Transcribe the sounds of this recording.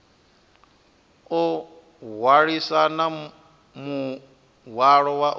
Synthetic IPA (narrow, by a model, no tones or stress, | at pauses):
ɔ | ɦwaɺisana | mu | ɦwaɺɔwaʔ